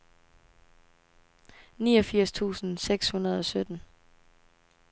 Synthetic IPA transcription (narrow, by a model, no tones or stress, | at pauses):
niːɒ̽fiɐ̰st͡sʰṵːsn̩seɡ̥shunɐð̞ˠɒ̽sød̥n̩